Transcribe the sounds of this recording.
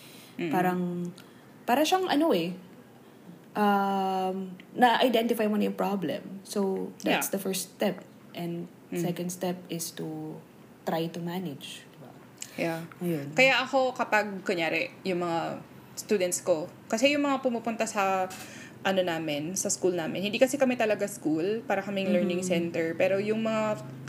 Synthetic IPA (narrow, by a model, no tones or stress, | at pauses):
paːɾɐŋ | paːɾɐʃaŋʔɐnoɛ | ʔɐmnɐʔajd̪ɛnt̪ɪfajmonɐjopɹablɛ̰̃msowd̪asd̪ɐfɛɹst̪ɛp̚ | ʔɛ̃nd̪ | sɛkɐnd̪st̪ɛp̚ɪst̪u | t̪ɾajt̪ʊmanɪd͡ʒd̪ɪba | jaɐjonkɐjaʔɐko̞kɐpɐɡ̚kʊɲjaːɾɛjʊŋmɐŋa | st̪uːd̪ɛnt̪sko̞ | kɐsɛjʊŋmɐŋapʊmupʊnt̪asɐ | ʔɐno̞naːmɛnsɐskulnaːmɪ̰nhɪnd̪iːkɐsɛkɐmɛt̪ɐlɐɡaskulpaːɾɐkɐmɛŋlɛɹnɪŋsɛnt̪ɛɹpɛːɾo̞jʊŋmɐŋa